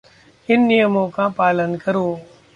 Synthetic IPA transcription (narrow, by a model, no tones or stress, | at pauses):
ɪnːijəmõːkãːpaːlənkəɾoː